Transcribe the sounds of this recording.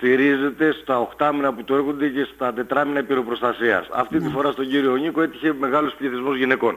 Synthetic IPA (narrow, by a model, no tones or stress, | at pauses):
t̪iɾize̞t̪e̞st̪ɐo̞xt̪ɐminɐput̪ueɾɣo̞nd̪e̞ce̞st̪ɐt̪e̞t̪ɾɐminɐpiɾo̞pɾo̞st̪ɐsiɐ̰sɐ̰ft̪it̪ifo̞ɾɐst̪oɲɟiɾio̞ɲiko̞e̞t̪içe̞me̞ɣɐlo̞spliθizmozʝine̞ko̞n